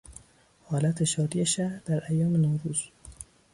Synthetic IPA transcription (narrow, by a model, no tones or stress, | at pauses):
hɒːlæt̪ʰeʃɒːɾiːeʃæɾd̪̥æɾʔæjːɒːmenɒːɾuːz̥